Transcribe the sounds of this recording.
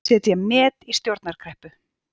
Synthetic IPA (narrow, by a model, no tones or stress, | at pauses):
ɛːt̪jɛmɛːðist̪jowɾt̪naɾ̥kʰɾɛhpʏ